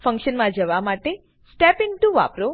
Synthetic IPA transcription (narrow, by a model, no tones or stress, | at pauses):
fə̃ŋkʃənmãd͡ʒəʋamaʈe | sʈɛpɪnʈuʋa̰pɾo